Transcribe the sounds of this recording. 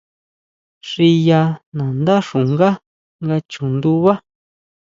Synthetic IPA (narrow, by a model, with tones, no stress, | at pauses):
ʂi˧ja˧nã˨nd̪a˦ʂu˨ŋɡa˦ | ŋɡa˧t͡ʃũ˨nd̪u˦βa˦